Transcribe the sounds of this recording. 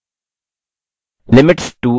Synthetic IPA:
lɪmɪʈsʈu

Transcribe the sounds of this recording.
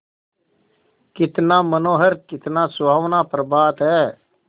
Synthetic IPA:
kɪt̪nãːmənoːɦəɾkɪt̪naːsʊbʱaːʋnaːpəɾbaːt̪ɦɛː

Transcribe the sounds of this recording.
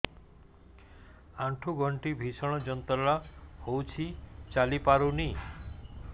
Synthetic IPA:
aʈʰuɡʱɔɳʈibʱisɔɽ̃ɔd͡ʒɔnt̪ɔlahowt͡ʃʰit͡ʃalipaɾuni

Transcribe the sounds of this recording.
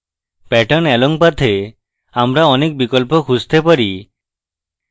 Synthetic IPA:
pɛʈɔnɛlɔŋpat̪ʰe | amɾaɔnek̚bikɔlpɔkʰust̪epaɾi

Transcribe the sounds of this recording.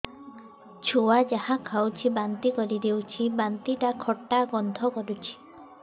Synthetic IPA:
t͡ʃʰuwad͡ʒahakʰawt͡ʃʰibant̪ikɔɾid̪ewt͡ʃʰibant̪iʈakʰɔʈːaɡɔnt̪ɔkɔɾut͡ʃʰi̥

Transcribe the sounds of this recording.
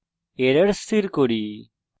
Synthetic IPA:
eɾəɽst̪iɾkoɽi

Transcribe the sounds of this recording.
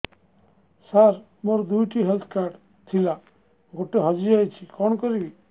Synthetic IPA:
saɾ | mɔɾd̪ujʈiɦelt̪ʰkaɾɖ | t̪ʰila | ɡʱoʈːeɦɔd͡ʒiajt͡ʃʰikɔɳkɔɾi

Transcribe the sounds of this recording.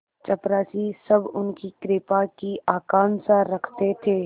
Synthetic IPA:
t͡ʃɐpɾaːsisɐbʊnkikɾɪːpakiaːkãːnsaɾɐkʰt̪et̪ʰeː

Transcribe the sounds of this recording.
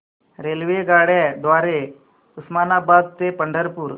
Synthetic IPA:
ɾelʋeɡaɽad̪ʋaɾe | usmanabad̪̚t̪epəɳɖʱəɾpuːɾ

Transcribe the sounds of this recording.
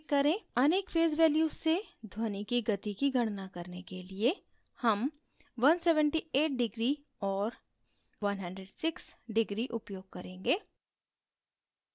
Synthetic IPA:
kːɐɾẽɐneːkfʰeːzʋɛːljuːed̪ʱwoːnikiɡɐt̪ikiɡʱɐɽ̃nakɐɾnekelie | hɐm | ʋɐnsɛːʋə̃ɳʈieːʈ̚ɖɪɡɾi | ɔːɾ | ʋɐnɦə̃ɳɖɾeɖsɪksɖɪɡɾiʔʊpjoːɡ̚kɐɾẽːŋɡeː

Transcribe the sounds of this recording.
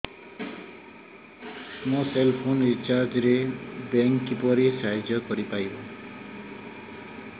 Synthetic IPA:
mõselpʰonit͡ʃaɾd͡ʒɾebeŋkipɔɾisaɦd͡ʒjɔkɔɾipajbo

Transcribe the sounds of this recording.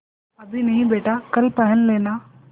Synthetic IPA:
ɐd̪ʱinɐɦĩbeːʈaːkɐlpɐɦənleːnaː

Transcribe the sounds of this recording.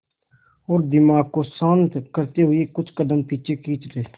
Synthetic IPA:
ɔːɾd̪ɪmaːɡ̚kosə̃nt̪kəɾt̪eɦʊekʊt͡ʃʰkəd̪əmpiːt͡ʃʰekiːt͡ʃɾeː

